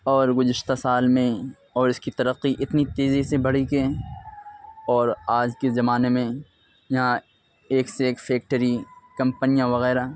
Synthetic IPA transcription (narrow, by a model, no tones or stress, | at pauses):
ɔːɾɡʊzɪʃt̪asaːlmẽ | ɔːɾɪskit̪ɐɾəqːiʔɪt̪nit̪eːzisebɐɽ̤ikẽ | ɔːɾaːd͡ʒkezɐmaːnemẽ | jɐɦã | eːkseeːkfʰeːk̚ʈəɾikɐ̃mpənijãʋɐɣɛːɾa